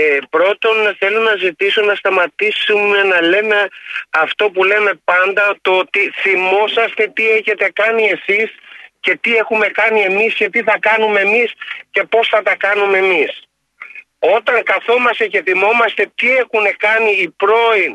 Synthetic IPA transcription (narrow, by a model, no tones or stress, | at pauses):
epɾo̞t̪o̞nθe̞lonɐzit̪iso̞nɐst̪ɐmɐt̪isumenɐle̞me̞ɐft̪o̞pule̞me̞pɐnd̪ɐt̪oot̪iθimo̞sɐst̪e̞t̪ie̞çe̞t̪e̞kɐnie̞sisce̞t̪ie̞xume̞kɐnie̞misce̞t̪iθɐkɐnume̞misce̞po̞sθɐt̪ɐkɐnume̞mis | o̞t̪ɐŋkɐθo̞mɐst̪e̞ce̞θimo̞mɐst̪e̞t̪ie̞xune̞kɐniːpɾo̞in